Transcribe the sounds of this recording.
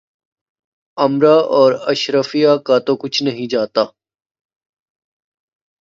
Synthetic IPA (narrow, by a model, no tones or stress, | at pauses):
ɐmɾaːʔɔːɾɐʃɾəfijakat̪okʊt͡ʃʰnɐɦĩd͡ʒaːt̪aː